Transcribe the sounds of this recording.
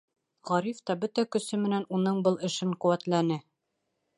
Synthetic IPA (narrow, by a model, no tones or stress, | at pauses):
ʁɒɾift̪ɑbɵt̪ækɵ̆sɘmɘ̆nænunɤɴbɤlˠɘ̆ʃɘɴqŭwæt̪lænɘ